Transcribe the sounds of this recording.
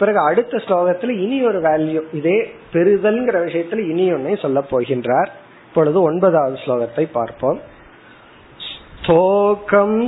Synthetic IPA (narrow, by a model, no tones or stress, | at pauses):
pɪɾɐɣɯɐɽɯt̪ːɐsloːɣɐt̪ːɪlɪnɪɔɾɯʋeːljɯ̃ɪðeːpɛɾɯðɐlŋɡɪɾɐʋɪʂɐjɐt̪ːɪlɪnɪjɔɳːɐɪsɔlːɐpːoːɣɪndraːɾ | ɪpːɔɭɯðɯɔɳbɐðaːʋɐðɯsloːɣɐt̪ːɐɪpːa̰ːɾpoːm | st̪ʰoːkɐm